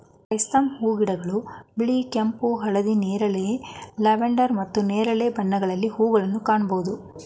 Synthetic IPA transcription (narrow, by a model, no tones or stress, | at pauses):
ɐjst̪ɐmhuːɡiɽɐɡɐɭubiɭikempuɦɐɭɐd̪ineːɾɐleleʋeɳɖɐɾmɐt̪ːuneːɾɐlebɐnːɐɡɐɭɐlːihuːɡɐɭɐnːukaːɳɐbɐud̪u